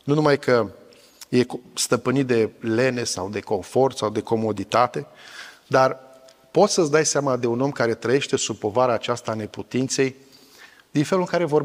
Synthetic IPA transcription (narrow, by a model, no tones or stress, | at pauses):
nunumajkə | je̞kst̪əpɨnit̪̚d̪e̞le̞ne̞sawd̪e̞ko̞ɱfo̞rt̪sawd̪e̞ko̞mo̞d̪it̪at̪e̞d̪ar | po̞t̪səsd̪ajseamad̪e̞uno̞mkaɾe̞t̪ɾəje̞ʃt̪e̞sub̚po̞vaɾaːt͡ʃast̪aːne̞put̪int̪se̞j | d̪̥infe̞luɨŋkaɾe̞vo̞r